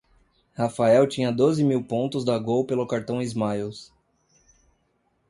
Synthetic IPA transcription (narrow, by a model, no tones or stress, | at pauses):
hafaɛwt͡ʃĩɲɐd̪ozɪmiwpõnt̪ʊzd̪aɡowpelʊkaɾt̪ɐ̃w̃izmajows